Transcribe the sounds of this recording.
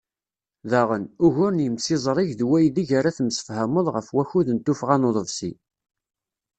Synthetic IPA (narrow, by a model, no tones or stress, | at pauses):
ðæʁənʊʝʊɾnjəmsizˤɾˤiʝðwæjðiʝaɾaθmsə̥fhæməðˤʁəfwæçuðənt̪ufʁanoðˤəðsḭ